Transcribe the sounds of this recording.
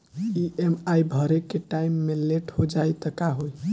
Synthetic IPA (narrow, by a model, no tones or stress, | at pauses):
iʔemajbʱəɾekːeʈaimːeleʈhod͡ʒajt̪əkaɦoj